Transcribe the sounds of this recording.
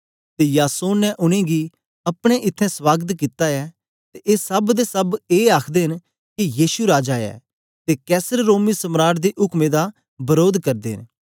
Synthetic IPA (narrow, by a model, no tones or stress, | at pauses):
t̪ejaːsoːnnɛ̃ʔʊɽ̃ẽɡi | ɐpɽ̃ẽʔɪt̪ʰːɛ̃swaːɡət̪kɪt̪aɛː | t̪eʔeːsɐbd̪esɐbeːaːkʰd̪eːɦɪn | kijiːsuɾaːd͡ʒaːjɛ̰ː | t̪ekɛːsəɾːoːmisɐmɾaːɾd̪eʔʊkmẽd̪a | bɐɾoːd̪kɐɾd̪eɦɪ̰̃n